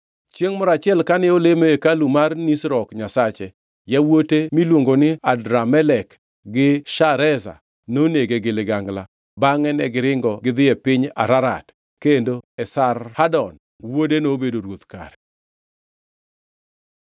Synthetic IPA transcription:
t͡ʃeŋmɔɾat͡ʃɪɛlkanɪolemeekalumarnisɾɔkɲasat͡ʃɛ | jawotemilwoŋɡonɪadɾamɛlɛk | ɡɪʃaɾɛza̰ | noneɡeɡɪlɪɡaŋɡla | baŋɛnɛɡɪɾɪŋɡɔɡɪd̪ɪɛpɪɲa̰ɾaɾa̰t | kendoɛsarhadɔn | wodenobedoɾwot̪ka̰ɾɛ

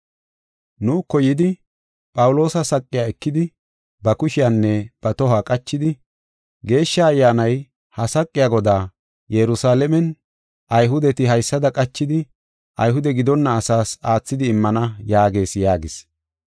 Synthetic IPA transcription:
nuːkːɔjɪd̪ɪ | pʼɐwʊlo̞ːsɐsɐkʼːɪjaːɛkːɪd̪ɪ | bɐkʊʃɪjanːɛb̥ɐt̪ɔɦaːkʼɐt͡ʃːɪd̪ɪ | ɡe̞ːʃːɐːjːaːnɐj | hɐsɐkʼːɪjaːɡɔd̪aː | jɛɾʊsaːlɛmɛn | ʔɐjɦʊd̪ɛt̪ɪɦɐjsːɐd̪ɐkʼɐt͡ʃːɪd̪ɪ | ʔɐ̰jɦʊd̪ɛɡɪd̪ɔnːɐːsaːsaːt͡sːɪd̪ɪːmːɐnɐjaːɡe̞ːsjaːɡɪs

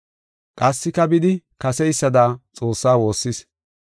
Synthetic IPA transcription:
kʼɐsːɪkɐbɪd̪ɪkɐsɛjsːɐd̪aːt͡sʼo̞ːsːaːwo̞ːsːɪs

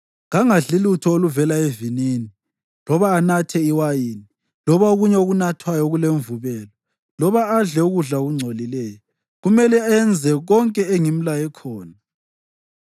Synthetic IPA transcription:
ŋaŋaɮilutʰɔoluvɛlaevinini | lɔβaːnatʰɛiwajiːni | lɔβaoɣuɲɛoɣunatʰwajɔɣuleɱvuβɛːlɔ | lɔβaːɮɛuɣuɮaɣuŋ͡ǀʱolilɛːjɔ | ɣumɛlɛajɛnd͡zʱɛɣɔŋkʼɛeŋim̩lajɛkʰɔːna

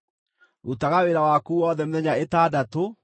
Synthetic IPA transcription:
utaɣaweɾawakuːwɔðɛmeðɛɲaetaːdato

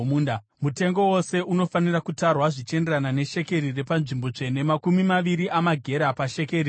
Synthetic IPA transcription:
muːnda | mute̞ŋɡo̞wo̞se̞uno̞fanirakutarwaʐit͡ʃe̞nderanane̞ʃe̞ke̞ɾire̞panʐimbo̞t͡ʂe̞ne̞makumimaʋiɾiʔamaɡʱe̞ɾapaʃekeɾi

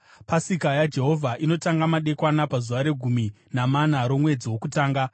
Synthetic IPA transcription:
pasikajad͡ʒe̞ɦo̞vʱaʔino̞taŋɡamaɗe̞kwanapazuʋaɾe̞ɡʱumi | namanaɾo̞mwe̞d͡ziwo̞kutaːŋɡa

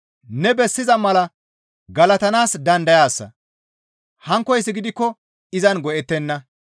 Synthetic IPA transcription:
nɛbɛsːɪzɐmɐlɐ | ɡɐlɐt̪ɐnaːsd̪ɐnd̪ɐjaːsːɐ̰ | hɐŋkːɔjs̬ːɪɡɪd̪ɪkːɔ | ɪzɐnɡɔʔɛt̪ːɛnːɐ

